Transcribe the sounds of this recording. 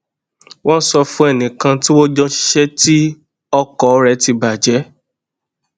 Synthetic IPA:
wɔ̃˦n̩˦sɔ˧fũ˦ɛ˦˨nĩ˨kã˧tĩ˦wo˦d͡ʒɔ̃˧ʃi̥˦ʃɛ˦ti˦ | ɔ˧kɔ˨˦ɾɛ˧ti˧ba˨d͡ʒɛ˨˦

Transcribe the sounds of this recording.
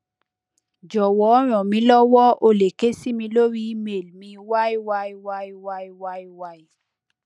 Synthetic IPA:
d͡ʒɔ˨wɔ˨ɔ˦ɾ̃ɔ̃˨mĩ˧lɔ˦wɔ˦o˧˨le˨ke˦si˦mĩ˧lo˦ɾi˦i˦me˨lmĩ˧wa˦i˦wa˦i˦wa˦i˦wa˦i˦wa˦i˦wa˦i˦

